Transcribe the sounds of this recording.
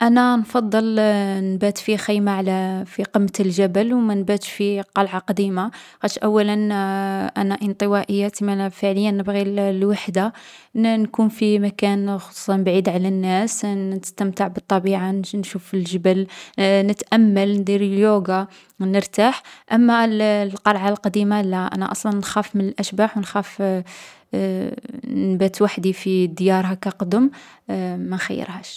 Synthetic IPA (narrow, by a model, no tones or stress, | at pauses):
ʔænænfɑd̪ˤːəlnbæt̪fixijmaʕlæfiqəmːt̪lʒæbəlwmænbæt̪ʃfiqɑlʕaqd̪imaɣæt̪ʃʔæwːælənʔænaʔənt̪ˤəwæʔəjːat̪imæfəʕləjːanəbɣillwaħd̪a | nkunfimækænxosˤu̥sˤɑnbʕid̪ʕalænːæsəst̪əmt̪əʕbət̪ˤːɑbiʕanʃufəlʒəbəlnət̪ʔæmːəlnd̪ˤiɾəljuɡa | nəɾt̪aħʔæmːællqɑɾˤʕalqɑd̪imalæʔæ̰næ̰ʔɑsˤlɑnːxæfmənəlʔæʃbaħwnxæf | nbæt̪waħd̪ifid̪jɑɾˤhakæqd̪əm | mænxæjːə̰ɾhæ̰ʃ